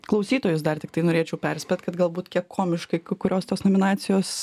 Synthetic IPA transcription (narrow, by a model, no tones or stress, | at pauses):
klˠɐʊsʲiːt̪oːjʊs̬d̪ɐrt̪ʲɪkt̪ɐɪnoːɾʲeːt͡ʃʲɛʊpʲɛɾʲsʲpʲet̪kɐt̪ɡɐlˠbuːt̪kʲiɛkkʰoːmʲɪʃkɐɪkkʊɾʲoːst̪oːsnoːmʲɪnɑːt̪sʲɪjoːs